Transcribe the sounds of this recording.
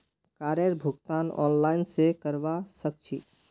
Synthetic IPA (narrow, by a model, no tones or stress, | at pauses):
kaːɾjəɾbʱʊɡt̪aːnɔ̰ːnlaːɪnsekəɾʋasək̚t͡ʃʰḭ